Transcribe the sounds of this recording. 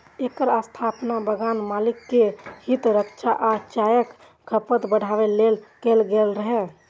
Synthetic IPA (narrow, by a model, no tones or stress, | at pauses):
ekəɾast̪ʰapnabəɡanmalikːehit̪ɾəkt͡ʃʰaʔat͡ʃajək | ɡʰʱəpət̪bəɽ̤ʱaʋelelkelɡelɾəɦɛ